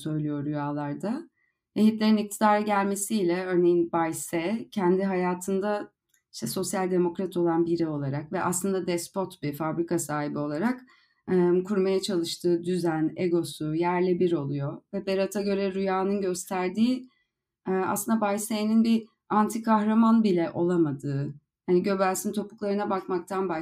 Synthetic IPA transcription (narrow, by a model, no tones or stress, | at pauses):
sø̞jlʲijoɾyjaːlˠaɾd̪a | veçit̪lʲe̞ɾinic̚t̪ʰid̪aːɾɯɟælʲme̞siːlʲɛø̞ɾne̞jinbajsɛcʰɛnd̪iɦajaːt̪ʰɯnd̪a | iʃt̪ʰɛso̞sjalʲd̪e̞mo̞kɾat̪ʰo̞lˠanbiɾɛo̞lˠaɾakvɛʔa̰slˠɯnd̪ad̪ɛspo̞t̪bifabɾikʰasaːɦibio̞lˠaɾakː | kʰuɾmajat͡ʃʰalˠɯʃt̪ʰɯːd̪yzæneɡo̞sujæɾlʲɛbiɾo̞lˠujo̞vɛbeɾat̪ʰaɟø̞ɾɛɾujaːnɯnɟø̞st̪ʰæɾd̪iː | a̰slˠɯnd̪abajsejninbi | ant̪ʰikʰaxɾamanbilʲɛʔo̞lˠamad̪ɯː | haniɟø̞bæɾsint̪ʰo̞pu̥klˠaɾɯnabakmak̚t̪ʰanba